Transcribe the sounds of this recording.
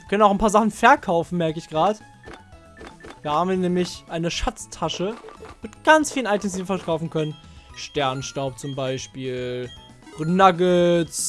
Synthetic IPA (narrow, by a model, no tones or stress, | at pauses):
kœnənaʊxanpaːɐzaχn̩fɛɐkʰaʊfn̩mɛɐkəɪçɡ̥ʁaːdə | dv̥iːɐhaːbmviːɐnɛːmlɪçʔaɪnəʃat͡stʰaʃəmɪtɡ̥ant͡sfiːlənʔaɪtʰɛmsd̥iːfɛɐkʰaʊfn̩kʰœnən | ʃtɛɐnʃtaʊp̚t͡sʊmbaɪʃpiːl | ʁnaɡət͡s